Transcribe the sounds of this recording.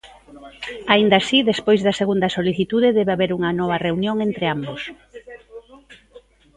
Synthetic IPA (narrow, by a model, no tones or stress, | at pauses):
aind̪asiðespojzðɐseɣund̪ɐsoliθit̪uðeðɛβeaβeɾuŋɐnɔβ̞ɐreunjoŋent̪ɾeambos